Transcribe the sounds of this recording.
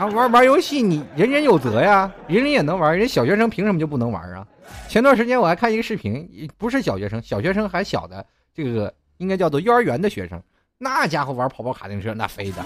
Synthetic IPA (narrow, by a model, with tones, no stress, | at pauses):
wa˧˥wa˧˥jo˧˥ʊɕi˥˩ni˨˩ɻə˧˥nɻə˧˥njo˨˩ʊt͡sɤ˧˥ja˥˧ɻə˧˥nɻi˧˥njɛ˨˩nɤ˧˥ŋwɻɕjɑ˨˩ʊɕɥɛ˧˥ʂ̬ɤ˥ŋpʰi˧˥ŋʂə˧˥mə˧jo˥˧ʊp̬u˥˩nɤ˧˥ŋwa̰˧˥ə̰˧ | t͡ɕʰjɛ˥nt̪wa˥˩nʂɻt͡ɕjɛ˥nwɔ˨˩la˧˥kʰa˥˩i˧˥ɡə˧ʂɻ̩˥˩pʰi˧˥ŋ˨˩pu˧˥ʂ̬ɻ̩˥˩ɕ̬jɑ˨˩ʊɕɥɛ˧˥ʂɤ˥ŋɕjɑ˨˩ʊɕɥɛ˧˥ʂɤ˥ŋxa˧˥ɪɕjɑ̰˨˩ʊd̪ə˦ | ʈ͡ʂɤ˥˩ɡə˩ | i˥ŋka˥ɪt͡ɕjʊt͡swɔ˥˧˥y˥˧˥ə˞˧˥ɥɛ˧˥nd̪ə˧ɕɥɛ̰˧˥ʂɤ̰˥ŋ | na˥˩t͡ɕja˥xwo˥˩a˧˥pʰɑ˨˩ʊpɑ˥˩kʰa˨˩t̪i˥˧ŋʈ͡ʂ̩ʰ˥˩˧na̰˥˩fe˥ɪd̪ə̰˨